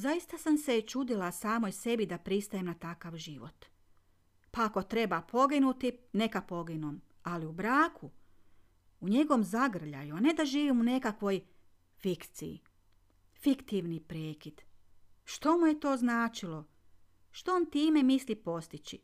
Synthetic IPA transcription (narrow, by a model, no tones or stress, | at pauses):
zajist̪asamset͡ʃud̪ilasaːmojse̞bid̪apɾist̪ajemnat̪akaʋʒiʋo̞̰t̪ | paako̞t̪ɾe̞bapʰo̞ɡinut̪ine̞kapo̞ɡinom | aliubɾaːkʰu | uɲe̞ɡoomzaɡr̩ʎa̰juane̞d̪aʒiːʋimune̞kakʋo̞j | fikt̪sḭjḭ | fikt̪iʋnipɾeːkid̪̥ | ʃt̪o̞muje̞t̪o̞ːznaːt͡ʃilo̞ | ʃt̪o̞ont̪iːme̞mislipo̞st̪it͡ʃi